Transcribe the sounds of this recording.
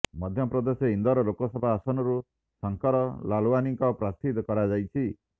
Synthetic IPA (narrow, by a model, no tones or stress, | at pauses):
mɔd̪ʱjɔpɾɔd̪eseind̪ɔɾɔlokɔsɔbʱaːsɔnɔɾu | sɔŋkɔɾɔlaluaniŋkɔpɾast̪ʰit̪kɔɾad͡ʒajt͡ʃʰi